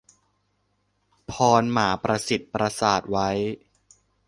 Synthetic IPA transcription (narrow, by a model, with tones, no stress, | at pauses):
pʰɔː˧nmaː˩˦pɾa˧si˨˩t̪̚pɾa˧saː˨˩t̪̚wa˦˥j